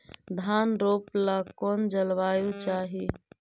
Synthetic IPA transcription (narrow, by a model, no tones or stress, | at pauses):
d̪ʱaːnɾoːplakɔːnd͡ʒəlʋaːjot͡ʃaːɦi